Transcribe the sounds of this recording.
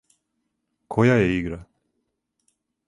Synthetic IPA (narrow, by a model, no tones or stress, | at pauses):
kʰojaɛiɡɾa